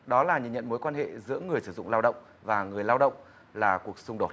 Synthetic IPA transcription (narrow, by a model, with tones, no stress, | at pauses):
ɗɔ˨˦laː˨˩ɲɨ̰˧˨ɲə̰˧˨nmo˨˦jkwaː˧nhḛ˧˨zɨ̰˧˥əŋɨ˨˩əjsɨ˧˩zʊ̰˧˨ŋ͡mlaː˧wɗə̰˧˨wŋ͡m | vaː˨˩ŋɨ˨˩əjlaː˧wɗə̰˧˨wŋ͡m | laː˨˩ku˨˩ək̚sʊ˧ŋ͡mɗo˨˩t̚